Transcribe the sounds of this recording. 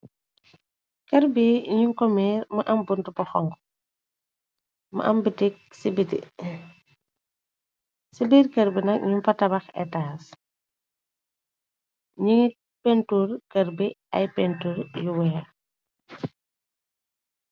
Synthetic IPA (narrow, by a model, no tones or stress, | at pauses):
kɐɾbiɲuŋkɔmɛːɾmɐʔɐmbuntubɔxɔŋɡ | mɐ̰ʔɐmbitik̚sibitḭ | sibiɾkɐɾbinɐk̚ɲumpɐtɐbɐxɛ̰taːs | ɲiŋi | pentuɾkɐɾbiɐ̰jpɛntuɾjuwɛːɾ